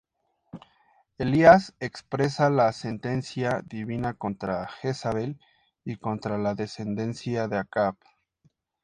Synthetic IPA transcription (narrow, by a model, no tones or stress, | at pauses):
eliasekspɾe̞salase̞nt̪e̞nsjaðiβinako̞nt̪ɾaxesaβel | iko̞nt̪ɾalaðe̞se̞nd̪e̞nsjaðeakaβ